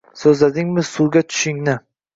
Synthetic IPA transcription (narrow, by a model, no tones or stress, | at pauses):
sɵzlad̪ɪŋmɪsuɾɡʲat̪ʰʊ̥ʃɪŋnɪ